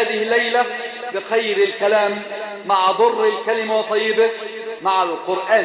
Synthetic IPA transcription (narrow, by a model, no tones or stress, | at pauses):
aːðɪhɪlːajla | bɪxajɾɪlkalaːmː | aʕd̪ˤʊrˤːɪlkalɪmawɑt̪ˤːɑjːɪbɪ | maʕalqʊɾʔaː